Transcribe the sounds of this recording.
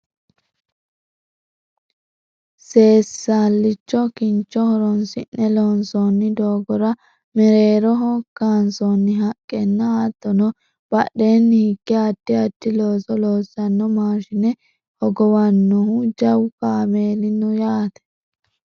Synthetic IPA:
se̞ːsːaːlːɪt͡ʃːɔkɪnt͡ʃːɔhɔɾɔnsɪnːɛloːnsɔnːɪd̪oːɡɔɾɐ | mɛɾeːɾɔɦɔkːaːnsɔnːɪɦɐkʼːɛnːɐaːt̪ːɔnɔ | b̥ɐɗːe̞ːnːɪhɪɡːɛɐd̪ːɪɐt̪ːɪloːsɔloːsːɐnːɔmaːʃɪnɛ | hɔɡɔwɐnːɔhud͡ʒɐwkaːmeːlɪnʊjaːt̪ɛ̥

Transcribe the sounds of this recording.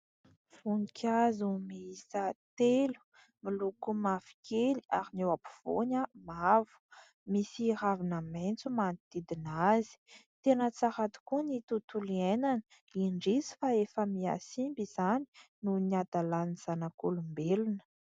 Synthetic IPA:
funikʰʲazumiisat̪elu̥ | milukumav̥i̥kʰeliaɾinewapu̥v̥o̰ɲəmavu̥ | misiɾavinəment͡sumanid̪̥id̪inazi̥t̪enət͡saɾat̪u̥kunit̪ut̪ulienanə | iɳɖ͡ʐizi̥faefəmia̰simbiz̥ani̥nuniad̪alaniz̥anakolumbelunə̥

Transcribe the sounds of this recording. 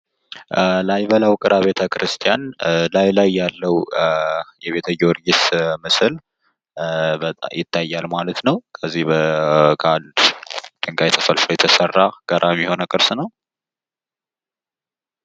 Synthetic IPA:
lajβəlawkʼɨɾʔaβe̞t̪ʰəkʰɾɨst̪ʰijanlajlajːalːəw | jɛβe̞t̪ʰəjoɾjɪsmɨsɨl | bət̪ʼa̰jɪt̪ʰːajːalmalət̪nəwkʰəzːihbəkʰand̪d̪̥ɨŋɡajt̪ʰəfəlflojɛt̪ʰəsərːaɡ̥əɾʔamiho̞nəkʼɨɾsnəw

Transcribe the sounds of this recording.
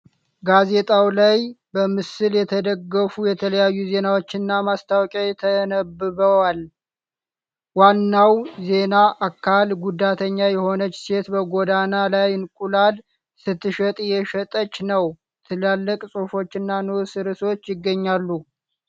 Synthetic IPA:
ɡaze̞t̪ʼawlajbəmɨsɨljɛt̪ʰəd̪əɡːəfujɛt̪ʰələjajːuze̞nawo̞t͡ʃːɪnːamast̪ʰawkʼjajt̪ʰənəbɨβəwal | wanːawze̞naʔakʰːalɡud̪at̪ʰəɲːajɛho̞nət͡ʃːse̞t̪bəɡo̞d̪analajɨnkʼulal | sɨt̪ːɨʃət̪ʼjɛʃət̪ʼət͡ʃːnəw | t̪ʰɨlalːəkʼsʼofo̞t͡ʃːɨnːanusɨɾɨso̞t͡ʃːjɪɡːəɲːalːu

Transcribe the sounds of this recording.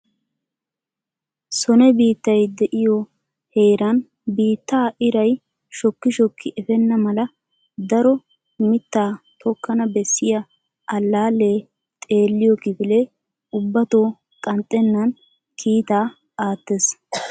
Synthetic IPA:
sɔnɛbiːt̪ːɐjd̪ɛʔɪjɔ | heːɾɐn | biːt̪ːaːʔɪɾɐj | ʃɔkːɪʃɔkːɪʔɛfɛnːɐmɐlɐ | d̪ɐɾɔ | mɪt̪ːaːt̪ʰɔkːɐnɐbɛsːɪjɐ | ʔɐlːaːlːe̞ː | t̪ʼe̞ːlːɪjɔkɪfɪleː | ʊbːɐt̪oː | kʼɐnt̪ʼːɛnːɐn | kʰiːt̪aː | aːt̪ːes

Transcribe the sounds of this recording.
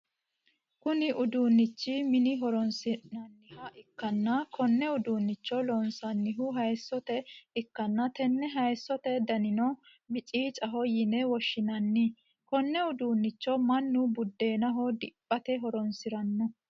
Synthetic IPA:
kʊnɪʔʊd̪uːnːɪt͡ʃːɪmɪnɪɦɔɾɔnsɪnɐnːɪhɐʔɪkːɐnːɐkɔnːɛʊd̪uːnːɪt͡ʃːɔlɔnsɐnːɪɦʊɦɐjsːɔt̪ɛɪkːɐnːɐt̪ɛnːɛɦɐjsːɔt̪ɛd̪ɐnɪnɔ | mɪt͡ʃʼiːt͡ʃʼɐɦɔjɪnɛwɔʃːɪnɐnːɪ | kɔnːɛʊd̪uːnːɪt͡ʃːɔmɐnːʊbʊd̪ːe̞ːnɐɦɔd̪ɪpʼːɐt̪ɛɦɔɾɔnsɪɾɐnːɔ

